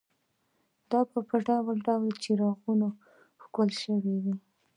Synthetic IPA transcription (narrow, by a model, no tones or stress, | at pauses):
d̪ɑpəpaɖɑwəlɖɑwlat͡ʃeɾɑɣuno | hkolʃəwiwi